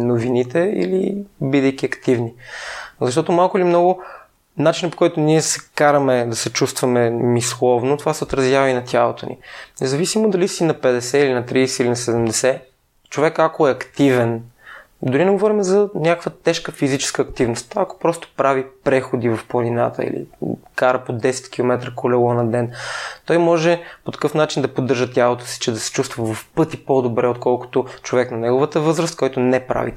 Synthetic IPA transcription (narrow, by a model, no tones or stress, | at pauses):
novinit̪ɛḭlḭbid̪əjk̟iɐkt̪ivnizɐʃ̬t̪ɔt̪omalˠkʊilʲimnɔɡʊ | nat͡ʃinəpo̥kɔjt̪ʊniɛsɛ̥kaɾɐmɛd̪ɐsɛt͡ʃust̪vɐmɛmislˠɔvnot̪ovasɛot̪ɾɐzʲjavɐinɐt̪ʲʰalˠot̪onḭnɛzɐvisimod̪ɐlisinɐpɛd̪ɛsɛilinɐt̪ɾisɛilinɐsɛd̪ɛmd̪ɛsɛ | t͡ʃovɛkakoɛɐkt̪ivɛn | d̪ʊɾinɛɡovɔɾimɛzɐnʲakə̥kvət̪ɛʃkəfizit͡ʃɛ̥skəːkt̪ivnost̪t̪aɐko̥pɾɔst̪o̥pɾavipɾɛxod̪ivɐfplˠɐninat̪ə̰ḭlḭkaɾəpod̪ɛsɛ̥t̪k̟ʲilˠomɛt̪ɾəkolɛlˠɔnɐd̪ɛnt̪ɔjmɔʒɛpot̪ɐ̥kɤfnat͡ʃind̪ɐpod̪ɤɾʒət̪jabot̪ə̥si̥t͡ʃɛd̪ɐsɛ̥t͡ʃust̪vəvɐfpɤt̪ipod̪obɾɛot̪̚kɔlˠko̥t̪ot͡ʃovɛknɐnɛɡovət̪əvɤzɾəst̪kɔjt̪oʊnɛpɾa̰vḭ